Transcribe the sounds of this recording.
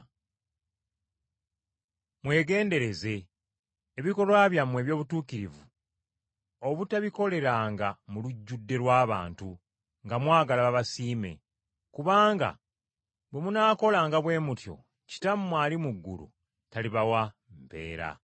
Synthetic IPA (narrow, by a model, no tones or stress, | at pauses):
mwe̞ːɡe̞ːnde̞ɾe̞ze̞ː | βiko̞lwaːβjamwe̞ːβjo̞ːβutuːkiɾivu | oβutaβiko̞le̞ɾaːŋɡamuluɟːudːe̞lwaːβa̰ːntu | ŋɡamwaːɡalaβaβasiːme̞̰ | kuβaːŋɡa̰ | bwe̞munaːko̞laːŋɡaβwe̞ːmutjo̞̰ | ci̥tammːwaːlimuɡːṵlṵ | taliβawa | mpe̞̰ːɾa̰